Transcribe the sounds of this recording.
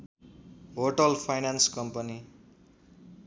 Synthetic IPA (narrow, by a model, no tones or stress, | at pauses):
ɦoʈʌlpʰajnanskʌmpʌni